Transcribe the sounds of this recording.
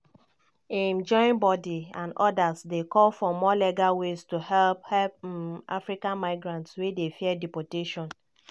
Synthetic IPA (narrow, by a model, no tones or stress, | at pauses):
ɛ̃nd͡ʒɔɪĩnbɔdiãndɔdazdekɔlfɔmɔlɛɡawestuhɛlphɛlpa̰fɾikãnmaɪɡɾãntswedefiɛdipɔteʃɔ̃n